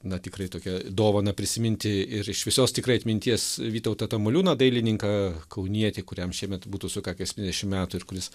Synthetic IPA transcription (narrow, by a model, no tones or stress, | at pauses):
nɐt̪ʲɪkɾɐɪt̪oːkʲɛd̪oːʋɐnɐpʲɾʲɪsʲɪmʲɪnʲt̪ʲɪɪɾɪʃʋʲɪsoːst̪ʲɪkɾɐɪɐt̪ʲmʲɪnʲt̪ʲiɛsʋʲiːt̪ɐʊt̪ɐt̪ɐmolʲuːnɐd̪ɐɪlʲɪnʲɪŋkɐkɐʊnʲiɛt̪ʲekʊɾʲɛmʃʲiɛmʲɛt̪buːt̪uːsʊkɑːkʲːɐsʲtʲinʲɛd̪ʲɛʃʲɪmmʲæːt̪uɪɾkʊɾʲɪs